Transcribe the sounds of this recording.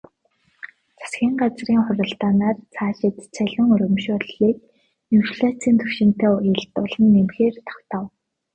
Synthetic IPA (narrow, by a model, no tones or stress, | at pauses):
t͡sʰḁsɡʲiːɴɢat͡sriːŋχʊɾə̆ɬt̪aːnaːrt͡sʰaːʃɪt̪t͡sʰæɮʲʊ̆ŋɔɾɵ̆mʃʊɮiːk̚ | niwʃɮat͡siːnt̪ʰɵwʃɪ̆n̥t̪eːjʊɮt̪ʊɮə̆nːemxeːrt̪ʰḁw̥t̪ăw